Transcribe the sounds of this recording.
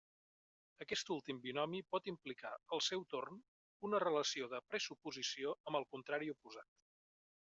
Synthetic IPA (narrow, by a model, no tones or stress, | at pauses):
əkɛst̪ulˠt̪imbiunɔmipɔt̪implika̰əlˠsɛwt̪orn | unərələsioðəpɾəsupuzisioəmbəlˠkunt̪ɾaɾiupuzat̪